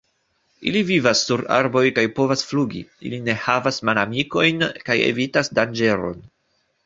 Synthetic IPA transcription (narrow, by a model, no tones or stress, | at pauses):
ilivivasːuɾa̰ɾbo̞jkajpo̞vasfluɡḭḭline̞havasmalamiko̞jnkajḛvitasdand͡ʒe̞ɾo̞̰n